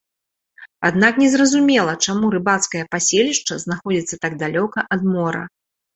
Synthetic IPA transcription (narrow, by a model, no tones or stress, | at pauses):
ad̪naknʲɛzrɐzumʲɛlˠɐt͡ʂamuɾɨbat̪skɐjɐpasʲelʲiʂt͡ʂɐznaxɔd͡zʲit̪sːɐt̪aɡ̚d̪alʲɔkɐʔɐd̪mɔɾɐ̰